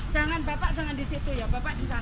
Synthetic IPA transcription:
d͡ʒaŋanbapaʔd͡ʒaŋandisit̪ujabapaʔdit͡ʃa

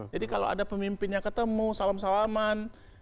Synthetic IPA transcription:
d͡ʒadikalo̰a̰dapəmimpɪnɲakət̪əmusalamsalaman

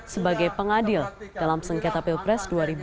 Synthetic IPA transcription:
səbaɡajpəŋadɪld̥alamsəŋkat̪apɪlpɾɛsduaɾib

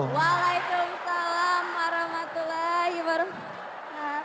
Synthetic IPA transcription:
ʋaːlajkʊmsɐlaːmɐɾɐmɐt̪lahiʋɐɾʊm

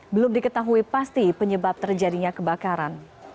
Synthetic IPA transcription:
bəlʊmdikət̪aɦuipast̪ipəɲəbap̚t̪ərd͡ʒadiɲakəbakaɾan

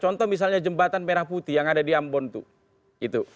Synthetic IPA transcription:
t͡ʃɔnt̪ɔmis̬alɲad͡ʒəmbat̪anpeɾahput̪ijaŋadadiambɔnt̪ṵ | it̪u

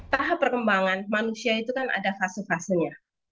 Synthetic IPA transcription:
t̪aɦapːərkəmbaŋanmanusiait̪ukana̰dafasəfasəɲa

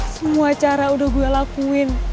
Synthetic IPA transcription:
səmuat͡ʃaɾaudahɡualakuɪn

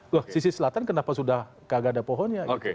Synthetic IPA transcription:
wahsisisəlat̪ankənapasudah | kaɡadapɔɦɔnjaoke

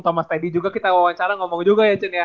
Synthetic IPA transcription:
t̪ɔmast̪ɛdid͡ʒuɡakit̪aowaŋt͡ʃaɾaŋɔmɔŋd͡ʒuɡajat͡ʃɪnja

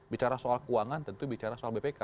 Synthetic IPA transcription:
bit͡ʃaɾasoalkuaŋant̪ənt̪ubit͡ʃaɾasoalbepeka

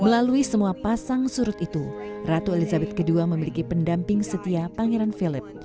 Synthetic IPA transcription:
məlaluisəmuapasaŋsuɾʊt̪it̪urat̪uelizabɛt̪̚kəduaməmilikipəndampɪŋsət̪iapaŋeɾanfilɪp̚

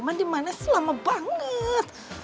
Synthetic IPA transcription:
mandimanasəlamabaŋət̪

